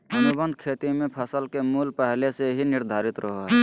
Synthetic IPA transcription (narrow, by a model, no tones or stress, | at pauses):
ənubə̃nd̪ʱkʰeːt̪imẽpʰəsəlkemuːlpəɦleseɦinɪɾd̪ʱaːɾɪt̪ɾʔəɦoɦɛ